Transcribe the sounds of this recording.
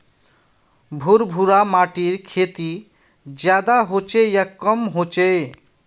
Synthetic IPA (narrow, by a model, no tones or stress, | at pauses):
bʱuɾbʱuɾamaːʈiɾkʰeːt̪i | d͡ʒjaːd̪aɦot͡ʃejakəmɦot͡ʃe